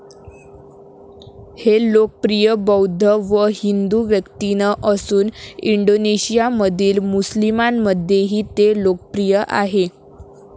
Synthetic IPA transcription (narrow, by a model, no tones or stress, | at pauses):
helokəpɾijəbəwd̪ʱəʋəɦind̪uʋjəkt̪inəʔəsuːniɳɖoneɕijaməd̪ʱiːlmuslimamːəd̪ʱjeɦiːt̪elokəpɾijəʔa̰ɦe